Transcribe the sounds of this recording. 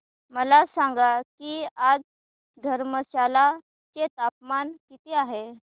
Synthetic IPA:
məlasãŋɡakiad͡z | d̪ʱəɾməɕala | t͡ɕet̪ap̚mankit̪eaɦe

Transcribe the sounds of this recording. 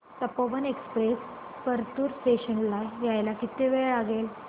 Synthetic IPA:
t̪əpoʋənekspɾes | pəɾt̪uɾseɕənlajajlakit̪eʋeɭɭaɡel

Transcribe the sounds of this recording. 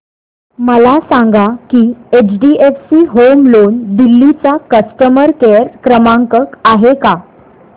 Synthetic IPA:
məlasãŋɡakiːet͡ɕɖiefsiːɦomlond̪ilːit͡sakəsʈəməɾkeɾkɾəmãŋkəkaɦeka

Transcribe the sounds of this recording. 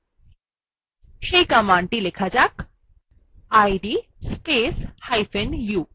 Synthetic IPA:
ɕejkamãɳʈilekʰad͡ʑak | ajɖispeshajfenju

